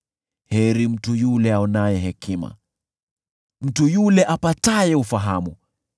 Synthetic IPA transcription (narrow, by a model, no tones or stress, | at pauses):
hɛɾim̩tujulɛaɔnajɛɦɛkima̰ | m̩tujulɛʔapatajɛufaɦamu